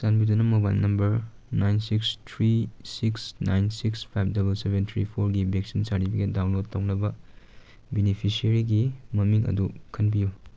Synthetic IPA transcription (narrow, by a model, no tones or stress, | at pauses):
sanbidunɐmɐba̰jnnɐmbɐɾ | najnsikstʰɾisiksnajnsikspʰajp̚ʰdɐbɐlsebent̪ʰɾḭpʰoɾɡibek̚sinsaɾibʰiɡedawnlod̚tːɐwnɐbɐ | binipʰisɐɾiɡimɐmiŋɐ̰dukʰɐnbiju